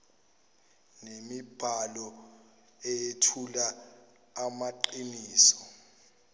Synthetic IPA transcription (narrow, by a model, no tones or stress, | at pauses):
nemib̥ʱalɔ | ejetʰulaː | maǃiniːsɔ̥